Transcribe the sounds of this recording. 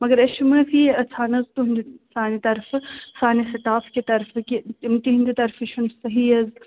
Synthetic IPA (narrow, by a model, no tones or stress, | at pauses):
mɐɡɐɾɐʃmɨsʰiɐt͡sʰaːnɐzt̪uɦnd̪saːnit̪ɐɾfɨsaːnisɐt̪aːfkit̪ɐɾfɨkit̪imt̪iɦind̪it̪ɐɾfiʃʰunsɐɦiɐz